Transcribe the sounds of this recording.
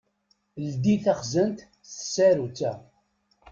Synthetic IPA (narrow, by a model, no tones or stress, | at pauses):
ld̪iθæχzənt̪ | θə̥sːæɾut͡sːæ